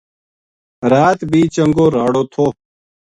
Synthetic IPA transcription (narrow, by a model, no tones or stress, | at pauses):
ɾaːt̪bʱiːt͡ʃəŋɡoːɾaːɽoːt̪ʰoː